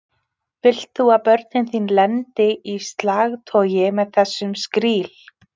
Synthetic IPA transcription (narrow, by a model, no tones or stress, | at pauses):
fɪl̥t̪θuaðpœɾt̪nɪnθinlɛnt̪ɪʔist̪laːɣt̪ʰɔːjɪmɛðθɛsːʏmskɾiːl̥